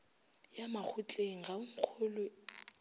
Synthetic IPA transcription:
jamak͡xʰʊt͡ɬʼeŋ̩ɣaʊŋ̩q͡χʰʊlʊ

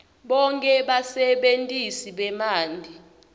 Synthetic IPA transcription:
ɓɔŋkʼɛɓasɛɓentʼisiɓɛmaːndʱi

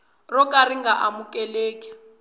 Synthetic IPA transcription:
rɔkʼariŋɡaʔamukʼɛleːkʼi̥

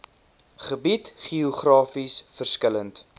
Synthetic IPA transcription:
χəbitχiɔχrɑːfisfərskələnt

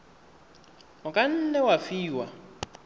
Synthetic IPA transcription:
ʊkʼan̩nɛwafiːwa

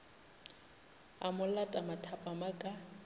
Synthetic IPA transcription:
a̰mʊlatʼamatʰapʼamakʼa

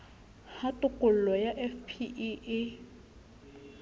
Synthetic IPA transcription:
hatʼʊkʼʊl̩lɔjaʔɛfpʰiʔiʔɪ

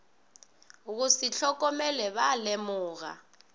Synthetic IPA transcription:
uk̬usiɬʰɔk̬ʼɔmɛlɛɓalɛmuːɣ̬a̰

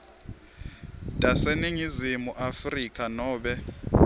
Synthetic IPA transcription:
tʼasɛneɲizimuʔafrikʼanɔːɓɛ

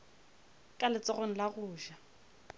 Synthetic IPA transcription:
kʼalɪt͡sʼɔɣɔn̩laɣʊːʒa

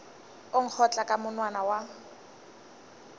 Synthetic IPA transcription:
oŋ̩k͡xʰɔt͡ɬʼakʼamʊnwanawa

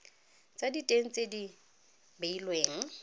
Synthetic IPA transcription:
t͡sʼaditʼeŋ̩t͡sʼedi | beilweːŋ̩

